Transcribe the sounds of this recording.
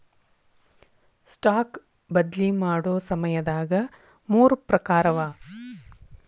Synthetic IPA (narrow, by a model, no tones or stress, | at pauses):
sʈaːk | bɐd̪limaːɽoːsɐmɐjɐd̪aːɡɐ | muːɾupɾɐkaːɾɐʋaː